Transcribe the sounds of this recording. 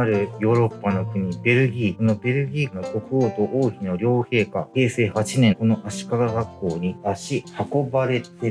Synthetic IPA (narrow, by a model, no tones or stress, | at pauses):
aɾɯ̟jo̞ːɾo̞pːano̞kɯ̟ɲ̟ibe̞ɾɯ̟ɡʲiːko̞no̞be̞ɾɯ̟ɡʲiːnot̪o̞kɯoːt̪o̞ʔoːçino̞ɾʲo̞ːhe̞ːkahe̞ːse̞ːhat͡ɕinẽ̞ko̞no̞ʔaɕi̥kakaɡakːo̞ːɲ̟iaɕihako̞baɾe̞t̪e